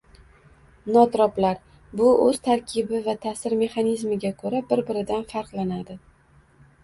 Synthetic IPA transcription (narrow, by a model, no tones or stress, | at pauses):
nɒt̪ɾɒplaɾ | bʊɵz̥t̪ʰaɾkʲʰɪbɪvat̪ʰasɪɾme̞χanizmɪɡʲakʰɵɾabɪɾbɪɾɪd̪anfaɾqlˠanad̪ɪ